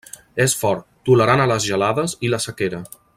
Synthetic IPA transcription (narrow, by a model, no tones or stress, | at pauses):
esfɔɾt̪̚ːuləɾanələzʒəlaðəziləsəkeɾə